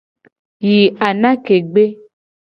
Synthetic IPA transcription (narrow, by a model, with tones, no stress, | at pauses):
ji˨a˨nã˦ke˨ɡ͡be˦